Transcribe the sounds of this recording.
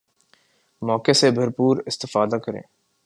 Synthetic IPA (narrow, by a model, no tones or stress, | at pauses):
mɔːkesebʱɐɾpuːɾɪst̪ɪfaːd̪akɐɾḛ̃ː